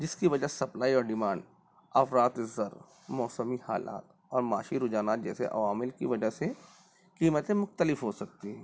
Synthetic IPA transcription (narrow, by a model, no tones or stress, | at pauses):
d͡ʒɪskiʋɐd͡ʒəsɐplaːiɔːɾɖɪmãːɳɖ | ɐfɾaːt̪ɪzːəɾ | mɔːsəmiha̰ːla̰ːt̪ | ɔːɾmaːʃiɾʊd͡ʒaːnaːt̪̚d͡ʒɛːsḛʔɐ̰ʋaːmɪlkḭʋɐd͡ʒəɦse | kiːmət̪ẽmʊxt̪əlɪfɦosɐk̚t̪iɦɛː